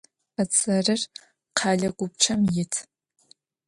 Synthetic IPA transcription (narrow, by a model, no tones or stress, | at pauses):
ɐt͡sʼɐrɨr | qʰɑːɮɐɡʷʊp̚t͡ʃʰɐmjɪtʰ